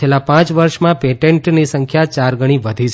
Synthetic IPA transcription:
elãpãt͡ʃʋəɾʃmãpeʈeɳʈnisəŋkʰjat͡ʃaɾɡəɽ̃iʋəd̪ʱi

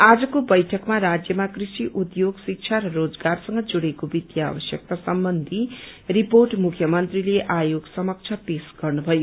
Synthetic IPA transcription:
ad͡zʌkobʌjʈʰʌkmaɾad͡zjʌmakrisiʔud̪joɡsik̚t͡ʃʰaɾʌrod͡zɡarsʌŋɡʌd͡zuɽekobid̪ja̰ːbʌsjʌk̚t̪asʌmbʌnd̪ʱiriporʈmukʰjʌmʌnt̪rileʔajoɡsʌmʌk̚t͡sʰʌpesɡ̥ʌrnubʱʌjo

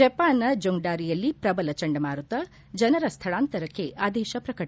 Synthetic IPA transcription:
ɐpaːnɐd͡ʒoŋɖaːɾijɐlːipɾɐbɐlɐt͡ʃɐɳɖɐmaːɾut̪ɐ | d͡ʒɐnɐɾɐst̪ʰɐɭaːnt̪ɐɾɐkːeʔaːd̪ɛːʃɐpɾɐkɐ

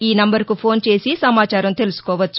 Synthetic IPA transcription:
iːnɐmbɐɾkupʰo̞ːnt͡ʃe̞ːsisɐmaːt͡ʃaːɾɐmt̪e̞lusu̥kɔːʋɐt͡ʃːu

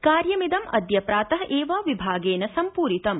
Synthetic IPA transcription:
kaːɾjɐmid̪ɐmɐ̰d̪jɐpɾaːt̪ɐɦʔeːʋaːʋibʱaːɡeːnɐsɐmpuːɾit̪ɐm

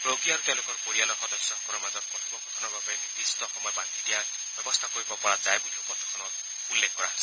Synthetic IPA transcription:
bɹoɡiaɹut̪ɛ̃lokɔɹkoɹialɔxɔdɔsjɔkɔnɔmazɔt̚kɔɾibɔkɔt̪ʰɔnɔbabɔenid̪istɔxɔmɔjɔbant̪idija | b̥jɔbɔst̪ʰakoɹibɔpɔɹazajbuliupɔt̪ʰɔkʰɔnɔt̚ | ulːekʰkɔɹa̰s

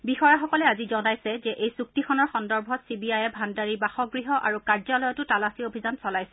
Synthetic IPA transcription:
bixɔjaxɔkɔlɛazizɔnajsɛzɛʔejsuk̚tixʰɔnɔɹxɔndɔɹbʱɔtsibiajɛbʱandaɹibaxɔɡɹiɦɔʔa̰ɹukaɹzalɔjɔtʊtalasiobʱizansɔlajsɛ

